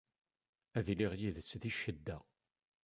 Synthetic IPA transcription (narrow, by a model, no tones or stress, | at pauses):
æðliʁjiðət͡sːðiʃəd̪ːæ